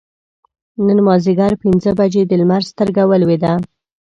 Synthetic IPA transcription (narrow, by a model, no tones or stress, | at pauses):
nənmɑziɡaɾpinzəbad͡ʒed̪əlmaɾzst̪əɾɡawəlwed̪a